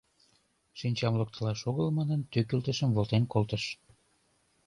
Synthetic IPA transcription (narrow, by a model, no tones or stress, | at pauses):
ʃinʲt͡ɕɑmlək̚t̪əlɑʃoɣəlmɑnənt̪økylt̪əʃəmvolt̪enkolt̪əʃ